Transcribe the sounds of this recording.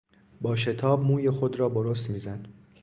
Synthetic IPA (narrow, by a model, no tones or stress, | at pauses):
bɒːʃe̞t̪ʰɒːbmuːje̞xo̞d̪ɾɒːboɾost̪miːzæn